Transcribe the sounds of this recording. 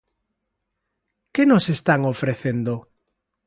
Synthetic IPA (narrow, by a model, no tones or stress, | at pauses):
kɪnosest̪aŋofɾeθend̪o